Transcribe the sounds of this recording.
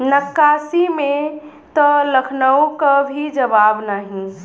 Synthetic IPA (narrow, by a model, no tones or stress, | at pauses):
nəkːaːsimẽ | t̪ɔləkʰnəukabʱid͡ʒəbabnaːɦĩ